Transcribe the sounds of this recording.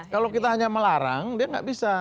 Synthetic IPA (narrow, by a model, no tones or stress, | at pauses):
kalokit̪aɦaɲaməlaɾa̰ŋdiaŋɡa̰ʔbisa